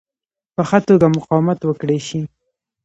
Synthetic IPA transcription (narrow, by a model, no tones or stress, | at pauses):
pəxat̪oɡamʊqɑwɪmat̪wəkɽeʃi